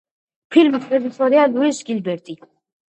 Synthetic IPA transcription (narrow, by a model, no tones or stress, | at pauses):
pʰilmsʰɾɛd̪isɔɾialuɛʃɡilbɛɾt̪ʼi